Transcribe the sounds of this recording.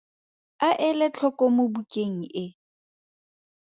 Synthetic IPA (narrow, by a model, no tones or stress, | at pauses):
aʔɪlɪt͡ɬʰɔkʼɔmobukʼeŋ̩ʔɪ